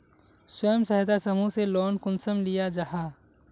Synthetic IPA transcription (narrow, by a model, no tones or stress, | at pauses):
swəjəmsɐɦt̪asɐmuselɔːnkʊnsəmlijad͡ʒaɦaː